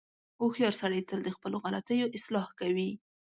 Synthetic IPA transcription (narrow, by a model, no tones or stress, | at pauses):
oxjɑɾsaɽəjt̪əld̪əxpəloɣalat̪əjoʔɪslɑhkawi